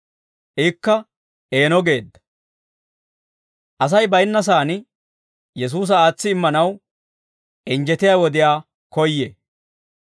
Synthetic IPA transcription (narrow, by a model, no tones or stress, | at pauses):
ʔɪkːɐ | e̞ːnɔɡe̞ːd̪ːɐ̥ | ʔɐs̬ɐjbɐjnːɐs̬aːnɪ | jɛs̬uːs̬ɐaːt͡sːɪːmːɐnɐw | ʔɪnd͡ʒɛt̪ɪjaːwɔd̪ɪjaː | kɔjːe